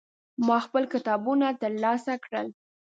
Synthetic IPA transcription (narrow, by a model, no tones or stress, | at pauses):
mɑxpəlkɪt̪ɑbunat̪əɾlɑsakɽəl